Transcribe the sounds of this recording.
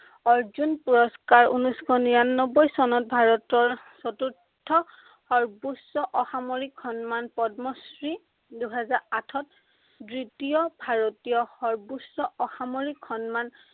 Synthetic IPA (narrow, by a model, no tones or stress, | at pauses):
ɔɹzunpuɹɔskaɹṵnuskʰɔnijanːɔbɔjsɔnɔt̚bʱaɹɔtɔɹ | sɔtuɹtʰːɔ | xɔɹbusːɔʔɔxamoɹikʰːɔnmanpɔdmɔsɹi | duɦɛzaɹatʰɔt̚ | dɹitijɔbʱaɹotijɔxɔɹbusːɔʔɔxamoɹikʰːɔnman